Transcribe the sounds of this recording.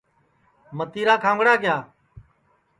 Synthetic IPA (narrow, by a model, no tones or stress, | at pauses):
mət̪iːɾaːkʰãːŋɡɽaːkɪjaː